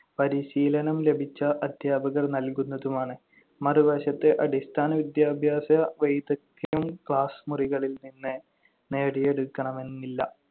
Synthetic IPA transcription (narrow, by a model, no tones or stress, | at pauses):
pɐɾiɕiːlɐnɐmle̞bʱit͡ɕːɐʔɐd̪ʱjaːbɐɣɐrnɐlkunːɐðumaːɳɨ | mɐriʋɐːɕɐt̪ːeʔɐɽist̪ʰaːnɐʋid̪jaːbʱjaːsɐʋejud̪ɐt̪ːɐjumkɭaːsmuriɣɐɭilninːɨ | neːɽije̞ɽukːɐɳɐme̞nːilːɐ̰